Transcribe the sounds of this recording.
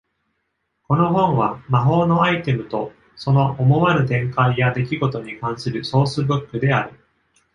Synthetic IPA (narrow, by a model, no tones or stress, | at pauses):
ko̞no̞ɦõ̞ɰ̃βamaɦo̞ːno̞ait̪e̞mɯ̟t̪o̞ | so̞no̞ʔomo̞βaɾɯ̟t̪ẽ̞ŋkaijad̪e̞k̬ʲiɡo̞t̪o̞ɲ̟ikãɰ̃sɨɾɯ̟so̞ːsɨbɯ̟kːɯ̟d̪e̞aɾɯ̟